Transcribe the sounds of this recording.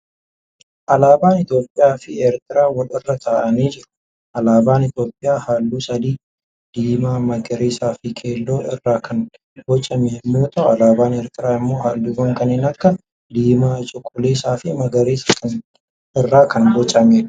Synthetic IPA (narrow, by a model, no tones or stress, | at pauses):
ʔɐlaːbaːnɪt̪o̞ːpʼːɪjaːfɪeːɾt̪ɪɾaːwɐlɪrːɐt̪ʰaːʔɐniːd͡ʒɪɾʊ̥ | ʔɐlaːbaːnɪt̪jo̞ːpʼːɪjaːhaːlːuːsɐd̪iː | d̪̥iːmaːmɐɡɐɾeːsaːfɪkʰʼeːlːo̞ːʔɪrːaːkʰɐn | bɔt͡ʃʼɐmeːmːoːt̪ɐʔʊɐlaːbaːnɛːɾt̪ɪɾaːɪmːo̞ːhaːlːuːɡɐŋkɐneːnɐkːɐ | d̪iːmaːt͡ʃʼʊkʼʊleːsaːfɪmɐɡɐɾeːsɐkɐn | ɪrːaːkɐnbɔt͡ʃʼɐmeː